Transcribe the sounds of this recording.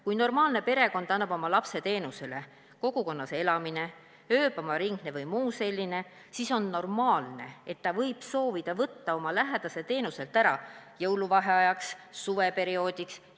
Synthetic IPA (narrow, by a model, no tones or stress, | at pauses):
kujno̞rmɑːlnepe̞ɾe̞ko̞nd̪̥ɑnːɑb̥o̞mɑlɑpse̞t̪e̞ːnuse̞le̞ | ko̞ɡ̥uko̞nːɑse̞lɑmine̞ | øːb̥ɑmɑɾiŋɡ̥ne̞vɯjmuːse̞lʲːine̞ | siso̞nːo̞rmɑːlne̞̰et̪ːɑvɤjb̥so̞ːvid̪̥ɑvɤt̪ːɑo̞mɑlæɦed̪ɑse̞t̪e̞ːnuse̞lt̪ˑæɾɑjɤwluvɑɦe̞ɑjɑksːuve̞pe̞ɾio̞ːd̪̥ʲiks